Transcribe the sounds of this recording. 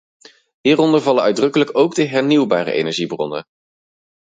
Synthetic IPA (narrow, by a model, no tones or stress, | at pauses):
ɦiːɾɔndəɹvɑləœɥdrɵkələkowɡdəɦɛɹniwba̰ːɾə̰ʔḛjnɛɹʒibrɔ̰nə̰